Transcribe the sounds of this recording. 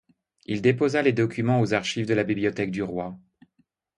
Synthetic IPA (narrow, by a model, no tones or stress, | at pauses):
ild̪epozaled̪ɔkʲymɑ̃ozaʁʃivd̪əlabibliɔt̪ɛk̚d̪yʁwa